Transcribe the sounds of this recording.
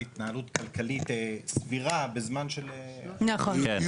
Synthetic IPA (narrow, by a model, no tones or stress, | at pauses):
it̪naɦalutkalkalit̪esviʁabezmanʃelenaχoe